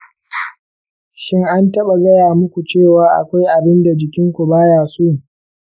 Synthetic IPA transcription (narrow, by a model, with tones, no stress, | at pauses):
ʃɪ˦ŋʔa˦ntɐ˦ɓa˨zɐ˦jaː˨mʊ˦kʷu˨t͡ʃeː˦˨waː˦ʔa̰˨kʷa˦jʔa˨bɪ˦nda˨d͡ʒɪ˨kʲɪ˦ŋkʷu˨baː˦jaː˨suː˦